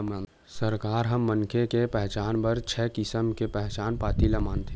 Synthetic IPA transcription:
man | sɐɾkaːɾɦɐmːəŋkʰekepɛɦt͡ʃaːnpɐɾt͡ʃʰɛːkɪsəmkepɛɦt͡ʃaːnpaːt̪ilamãːnt̪ʰe

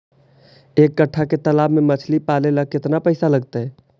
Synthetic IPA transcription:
ekːəʈʰːaket̪əlaːbmemət͡ʃʰlipaleləkːɪt̪napəɪsaləɡt̪eɦɛ

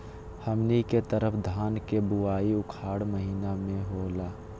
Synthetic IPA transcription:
həmniket̪əɾəpʰd̪ʱaːnkebuaːiʊkʰaːɽməɦiːnamẽɦolaː

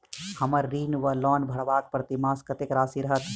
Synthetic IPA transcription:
həməɾːiːnʋəlɔːnbʱəɽʋaːk̚pɾət̪imaːskət̪ekɾaːsiɾɐɦət̪

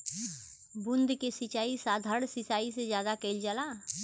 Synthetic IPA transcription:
bʊnd̪ʱkesɪt͡ʃaːisaːd̪ʱəɽsɪsaːised͡ʒjaːd̪akɛɪld͡ʒaːla

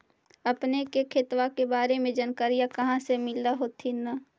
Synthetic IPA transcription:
ɐpnekekʰet̪wakebaːɾemẽd͡ʒɐnkəɾijakɐɦãsemɪlaɦoːt̪ʰina

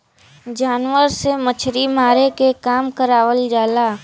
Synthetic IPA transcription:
d͡ʒaːnwəɾsemət͡ʃʰɾimaːɾekekaːmkəɾaːʋəld͡ʒaːlaː

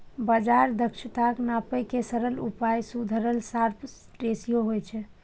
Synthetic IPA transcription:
bəd͡ʒaɾd̪ʱəkt͡ʃʰit̪aknapəkesəɾəlṵpajsud̪ʱəɾəlsaɾpʰt̪ɾesijoɦojt͡ʃʰɛ

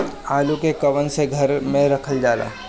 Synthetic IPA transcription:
aːlukekɐʋənseɡʱɐɾmẽɾɐkʰəld͡ʒaːla̰ː

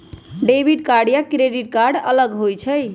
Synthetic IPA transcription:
ɖebiʈkaɾɖjakɾeɖiʈ̚kaɾɖələɡɦojt͡ʃʰəj

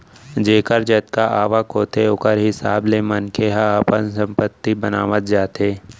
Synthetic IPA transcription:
d͡ʒeːkəɾd͡ʒət̪kaʔaːʋakɦoːt̪eʊkəɾɦɪsaːblemənkeɦaəpənsə̃mpət̪ːibənaːʋət̪̚d͡ʒaːt̪eː

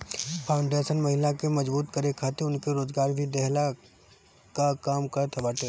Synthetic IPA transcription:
pʰaːʊ̃ɳɖeːsənmɐɦɪlakemɐd͡ʒbuːt̪kɐɾekʰaːt̪eʊnkeɾoːzɡaːɾbʱid̪ɛɦla | kakaːmkɐɾt̪ʰɐbaːʈe

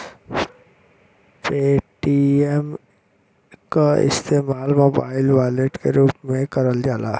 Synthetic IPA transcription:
peːʈiem | kaɪ̰st̪eːmaːlmoːbaːɪlʋaːɪleʈkeɾuːpmẽkɐɾəld͡ʒaːla̰ː

